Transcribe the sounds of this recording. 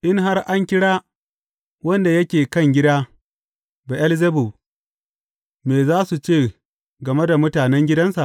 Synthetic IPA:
ʔɪ˦ŋɦa˦rʔa˦ŋkʲɪ˦ɽaː˦ | wɐ˦nda˨jɐ˦kʲeː˨kɐ˦ŋɡʲɪ˦daː˦ | ba˨ʔɐ˦lzɐ˦bu˨ | meː˨zaː˦su˨t͡ʃeː˦˨ | ɡɐ˨me˦da˨mʊ˦taː˨nɛ˦ŋɡʲɪ˦dɐ˦nsa˨ʔ

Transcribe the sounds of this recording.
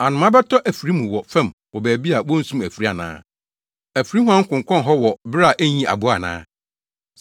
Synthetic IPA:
a˨nʊ̃˨mã˦bɛ˦tʰɔ˦ʔæ˨fi˨ɾi˦mũ˨wɔ˨fɛ̃˦˨m | wɔ˨bæː˨bi˦a˨wɔ̃˦n̩˦sũ˦mæ˨fi˨ɾi˦a˨nã̰ː˦ | æ˨fɾi˦ɦʊ˦ã˦ŋ̩˦kʊ̃˨ŋ˨kʷʰɔ̃˦nɦɔ˦wɔ˨bɾa˨ʔæ˦ɲĩ˦ʔa̰˨bʊ˦a̰˨nã̰ː˦

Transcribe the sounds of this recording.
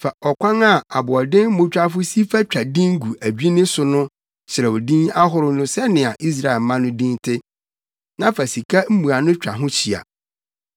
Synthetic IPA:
fa˨ɔ˨kʷã˦ŋa˦˨a˨bʊ˨ɔ˨dɪ̃˦mʊ̃˦t͡ɕᶣa˦fʊ˦si˦fa˦t͡ɕᶣa˨dĩ˦ŋ˦ɡu˨ʔæ˨d͡ʑᶣi˦nɪ̃˦sʊ˨nʊ̃˦ | ɕɪ˨ɾɛ˨wɔ˨dĩ˦na˦ɦʊ˦ɾʊ˦nʊ̃˦sɛ˦nɪ̃˨a˨ʔi˦s̬ɾa˦˨ɛ˨lmã˦nʊ̃˦dĩ˦ntʰɪ˦ | nã˦fa˨si˨kʰa˦m̩˦mũ˨a˨nʊ̃˦t͡ɕᶣa̰˨ɦʊ̃˦t͡ɕʰi˨a̰˨

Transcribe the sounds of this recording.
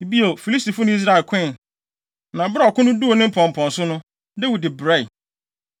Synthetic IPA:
bi˦o˨fi˨li˦sti˨fʊ˦nʊ̃˦i˦s̬ɾa˦e˨lkʰɛ̃˦˨n | nã˨ba˦ɔ˨kʰʊ̃˦nʊ̃˦du˦o˨nɪ̃˦m̩˦pʰɔ̃˨m̩˨pʰɔ̃˨nsʊ˦nʊ̃˦ | dɛ˦wu˨dɪ˨bɾɛ˦˨

